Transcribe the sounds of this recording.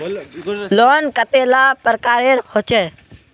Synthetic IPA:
loːnkət̪eːlaːpəɾkaːɾeːɾhot͡ʃeː

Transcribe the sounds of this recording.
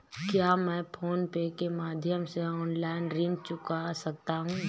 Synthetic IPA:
kjaːmɛ̃ːpʰoːnpeːkemaːd̪ʱjəmseɔːnlaːɪnɾĩnt͡ʃʊkasɐk̚t̪aɦũː

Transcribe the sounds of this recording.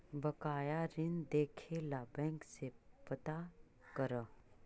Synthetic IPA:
bɐkaːjaɾɪnd̪eːkʰelabɛ̃ːŋksepət̪a | kəɾə

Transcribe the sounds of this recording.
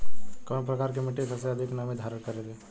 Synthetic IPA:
kɐ̃pɾəkaːɾkemɪʈekʰəseəd̪ʱiknamed̪ʱaːɾənkəɾet̪ʰe

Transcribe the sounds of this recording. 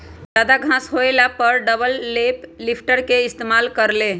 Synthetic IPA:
d͡ʒad̪aɡʱãsɦoelapəɾɖəbəlːeplipʰʈəɾkeɪst̪emalkəɾle

